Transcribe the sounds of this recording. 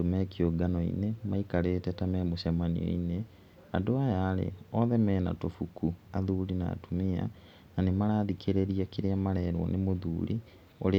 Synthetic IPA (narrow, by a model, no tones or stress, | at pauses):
omɛkioɡanɔḭnemaikaɾeːtɛtamɛmoɕamanḭo̰ine | andoajaːɾḛɔðɛmɛːna̰tofukuaðuɾina̰ːtumia̰ | nanemaɾaːðikʰeɾeɾiakeɾeamaɾɛːɾwɔ̰nemoðṵːɾḭ | oɾe